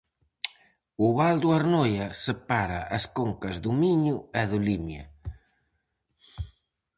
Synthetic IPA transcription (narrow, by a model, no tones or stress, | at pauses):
uβald̪uaɾnojasepaɾa̰ʔaskoŋkɐzd̪umiɲuɛðulimja̰